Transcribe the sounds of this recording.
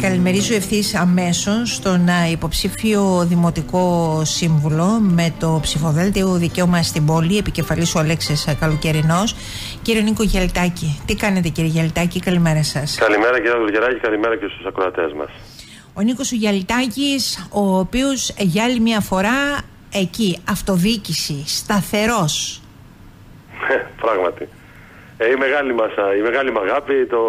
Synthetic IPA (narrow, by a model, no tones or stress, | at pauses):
kɐlime̞ɾizue̞fθisɐme̞so̞st̪o̞nipo̞psifio̞ðimo̞t̪iko̞siɱvulo̞me̞t̪o̞psifoðelet̪eoðice̞omɐst̪ibo̞lie̞pice̞fɐlisoɐle̞kseskɐloce̞ɾino̞s | ciɾio̞niko̞ʝɐlit̪ɐcit̪ikɐne̞t̪e̞ciɾiiʝɐlit̪ɐcikɐlime̞ɾɐsɐskɐlimeɾɐciɾiɐðuloʝeɾɐcikɐlimeɾɐcest̪usɐkɾoɐt̪e̞zmɐ̰s | o̞niko̞suʝɐlit̪ɐciso̞piosʝɐlimɲɐfo̞ɾɐ | e̞ciɐft̪o̞ðicisist̪ɐθe̞ɾo̞s | epɾɐɣmɐt̪i | eime̞ɣɐlimɐsɐimeɣɐlimɐɣɐpit̪o